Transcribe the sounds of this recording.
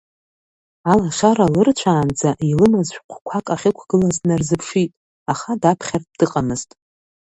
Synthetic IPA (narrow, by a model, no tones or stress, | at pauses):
alaʂaɾalɨrt͡ɕʷʰaːnd͡zaʔilɨmazʃʷᶣqʷʰkʷʰakʼaχʲɪkʷʰɡ̥ɨlaznarzɨpʰʂitʼ | aχadapʰχʲartd̥ɨqʼamɨz̥tʼ